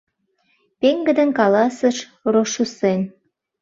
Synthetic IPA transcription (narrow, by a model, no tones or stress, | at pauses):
peŋɡəd̪ənkɑlɑsəʃ | roʃusen